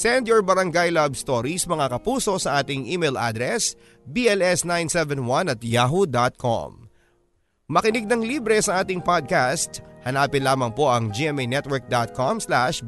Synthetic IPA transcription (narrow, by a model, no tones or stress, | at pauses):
sɛnd̪joɹbɐɾɐŋɡajlabst̪oɾismɐŋakɐpuːso̞ʔsɐʔaːt̪ɪŋʔimejlʔa̰d̪ɾɛs | biɛlɛsnajnsɛvɛnwɐnɐt̪̚jaːɦud̪at̪̚kʰo̰m | mɐkɪnɪɡ̚nɐŋlibɾɛsɐʔaːt̪ɪŋpad̪̚kast̪hɐnaːpɪnlaːmɐŋpo̞ʔɐŋd͡ʒiɛmɛjnɛt̪̚wɛɹk̚d̪at̪̚kʰomslaʃ